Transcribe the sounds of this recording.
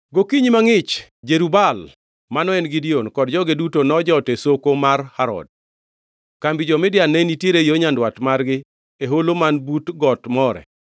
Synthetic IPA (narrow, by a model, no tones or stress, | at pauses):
ɡokiɲimaŋɪt͡ʃd͡ʒeɾubal | manɔɛnɡidionkɔd̚d͡ʒɔɡedutonɔd͡ʒɔtesokomarhaɾɔ̰d̚ | kambid͡ʒɔmɪdjanenitjeɾejoɲandwatmarɡɪ | eɦolomanbutɡɔtmɔɾɛ̰